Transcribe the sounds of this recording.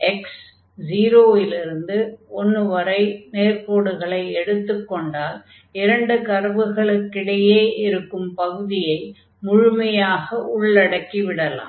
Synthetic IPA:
ʔɛks | d͡ʒiːɾoːɪlɪɾɯnd̪ɯɔnːɯʋɐɾɐɪmeːrpoːɽɯɣɐɭɐɪɛɽɯt̪ːɯkːɔɳɖaːl | ɪɾɐɳɖɯkɐɾʋɯɣɐɭɯkːɪɽɐjeːʔɪɾɯkːɯmpɐɣɯðɪjɐɪ | mʊɻʊmɐjaːɣɐʔʊɭːɐɽɐkːiʋɪɽɐla̰ː

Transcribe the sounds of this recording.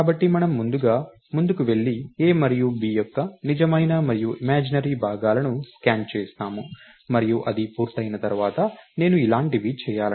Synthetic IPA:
kaːbɐʈːimɐnɐmːund̪uɡaː | mund̪ukuʋe̞ɭːieːmɐɾijubiːjɔkːɐnid͡ʒɐmɐjnɐmɐɾijuʔimaːd͡ʒinɐɾiːbʱaːɡaːlɐnuskaːnt͡ʃɛːst̪aːmu | mɐɾijuʔɐd̪ipuːɾt̪ɐjnɐt̪ɐɾuʋaːt̪ɐne̞ːnuilaːɳʈiʋit͡ʃɛːjaːl

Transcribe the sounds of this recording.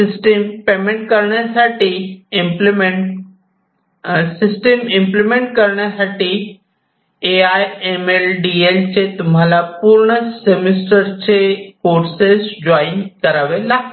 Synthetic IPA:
ɪsʈempeːmẽɳʈ̚kəɾɽ̃əsaːʈʰeɪmplme | sɪsʈemɪ̃mplmẽɳʈkɐɾɽ̃asaːʈʰe | eaːjemelɖielt͡ʃʰet̪ʊmãlapuɾɽ̃əsemɪsʈəɾt͡ɕʰefoːɾsesd͡ʑɔːɪnkɐɾaːʋelaː

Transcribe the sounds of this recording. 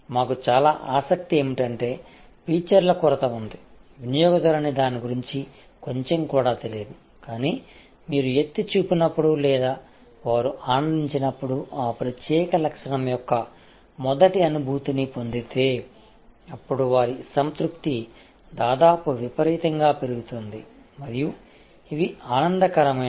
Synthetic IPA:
maːkut͡ʃaːlaːʔaːsɐk̚t̪ie̞ːmiʈɐɳʈe̞ː | piːt͡ʃɐɾlɐkuɾɐt̪ɐund̪iʋinijɔːɡɐd͡ʒ̪ɐɾɐnid̪aːniɡuɾiɲt͡ʃi | ko̞ɲt͡ʃe̞mkuːɽaːt̪elijed̪u | kaːniː | miːɾujet̪ːit͡ʃuːpinɐpːuɽulɛːd̪aː | ʋaːɾuʔaːnɐnd̪iɲt͡ʃinɐpːuɽuʔaːpɾɐt̪jɛːkɐlɐkʂɐnɐmjɔkːɐ | mɔd̪ɐʈiɐnubʱuːt̪inipo̞nd̪it̪eː | ɐpːuɽuʋaːɾisɐnt̪ɾukt̪i | d̪aːd̪aːpuʋipɐɾiːt̪ɐŋɡaːpe̞ɾuɡut̪und̪imɐɾiju | iʋiaːnɐnd̪ɐkɐɾɐmɐ

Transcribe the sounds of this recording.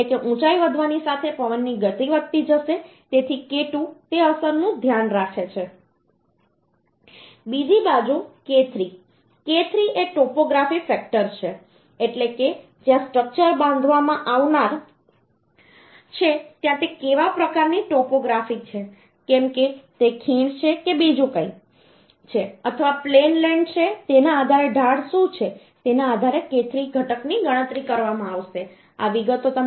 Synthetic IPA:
ekeʔũt͡ʃaiʋəd̪ʱʋanisat̪ʰepəʋənːiɡət̪iʋət̪ːid͡ʒəʃe | t̪et̪ʰikeʈũt̪eəsəɾnũd̪ʱjanɾakʰet͡ʃʰe | bid͡ʒibad͡ʒuket̪ʰɾi | ket̪ʰɾiʔeʈɔpoɡɾafifɛk̚ʈəɾt͡ʃʰe | eʈleke | d͡ʒjãsʈɾək̚t͡ʃəɾbãnd̪ʱʋamãʔaʋnaɾ | t͡ʃʰet̪jãt̪ekeʋapɾəkaɾniʈɔpoɡɾafit͡ʃʰe | kemket̪ekʰiɳt͡ʃʰekebid͡ʒũkəi | t͡ʃʰeət̪ʰəʋaplenlẽɳɖt͡ʃʰet̪enaːd̪ʱaɾeɖʱaɽʃũt͡ʃʰe | t̪enaːd̪ʱaɾeket̪ʰɾiɡʱəʈəkniɡəɽ̃ə̃t̪ɾikəɾʋamãaʋʃe | a̰ʋiɡət̪ot̪ə

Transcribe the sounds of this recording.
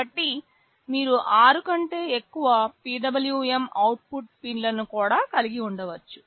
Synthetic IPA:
ɐʈːi | miːɾuʔaːɾukɐɳʈe̞ːekːuʋɐpiːɖɐbɐljuemɐwʈ̚puʈ̚pinlɐnukuːɽaːkɐliɡiuɳɖɐʋɐt͡ʃːu̥

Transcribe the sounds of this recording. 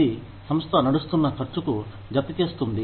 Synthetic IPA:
i | sɐmst̪ʰɐnɐɽust̪unːɐt͡ʃɐɾt͡ʃuku | d͡ʒɐt̪it̪eːst̪und̪i

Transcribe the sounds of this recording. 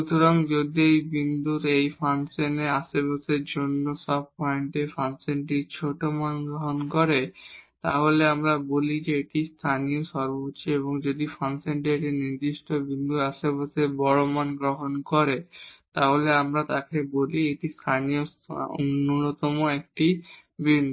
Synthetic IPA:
ʃut̪ʰoɾaŋd͡ʑod̪iejbind̪uɾejfanseneaʃebaseɾd͡ʑonːoʃɔb̚pɔeɳʈefansenʈit͡ɕʰoʈomanɡɾoɦonkoɾet̪a̰ɦoleamɾabolid͡ʑeeʈist̪ʰanijoʃɔɾbot͡ɕʰeeβoŋd͡ʑod̪ifansenʈ̬ieʈiniɾd̪iʃʈʰobind̪uɾaʃebaseɾbɔɭomanɡɾoɦonkoɾet̪aɦoleamɾat̪akebolieʈist̪ʰanio | o̰nːonot̪ɔmoek̚ʈi | bind̪u

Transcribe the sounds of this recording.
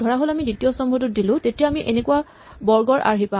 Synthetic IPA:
dʱɔɹaɦolamiditijɔsɔmbʱɔtʊt̚dilʊ̃tetijaːmiʔenekuwa | bɔɹɡɔɹʔa̰ɹɦipa

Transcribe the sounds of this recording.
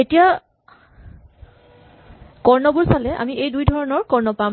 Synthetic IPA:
etija | kɔɹnɔbuɹsalɛʔa̰miejdujdʱɔɹɔnɔɹkɔɹnɔpa

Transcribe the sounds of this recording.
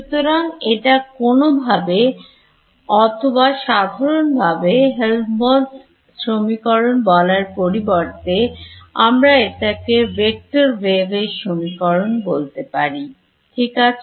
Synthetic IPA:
ut̪oɾaŋeʈakonobʱabe | ɔt̪ʰobaʃad̪ʱaɾonbʱabeɦelmon | sɾomikɔɾonbɔlaɾpoɾibɔɾt̪eamɾaeʈakebek̚ʈoɾbeɡesɾomikɔɾonbolt̪epaɾi | ʈʰikat͡ɕʰ

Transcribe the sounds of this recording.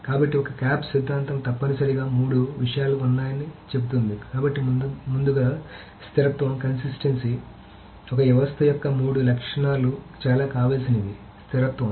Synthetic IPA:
kaːbɐʈːiɔkɐkaːpsid̪ʱːaːnt̪ɐmt̪ɐpːɐnusɐɾiɡaːmuːɽuʋiʂɐjaːluunːaːjɐnit͡ʃe̞but̪und̪ikaːbɐʈːimund̪uɡaː | st̪ʰiɾɐt̪ʋɐmkɐnsisʈensi | ɔkɐjɛʋɐst̪ʰɐjɔkːɐmuːɽulɐkʂɐɳaːlut͡ʃaːlaːkaːʋaːlsinɐʋi | st̪ʰiɾɐt̪ʋɐm

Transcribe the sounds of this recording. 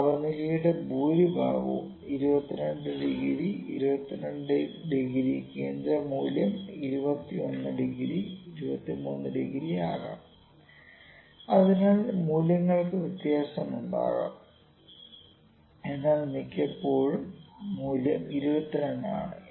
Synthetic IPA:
ɐbɐnilɐjuɽebuːɾibʱa̰ːʋɐ̰m | iɾubɐt̪ːinɐɳɖɨɖiɣiɾiiɾubɐt̪ːinɐɳɖɖiɣiɾikeːnd̪ɾɐmuːljɐmiɾubɐt̪ːionːɨɖiɣiɾiiɾubɐt̪ːimuːnːɨɖiɣiɾiaːɣɐ̰m | ɐðinaːlmuːlɐŋːɐɭkɨʋit̪jaːsɐmuɳɖa̰ːɣɐ̰m | enːaːɭnikʲːɐpːo̞ːɻumːuːljɐmiɾubɐt̪ːinɐɳɖa̰ːɳɨ

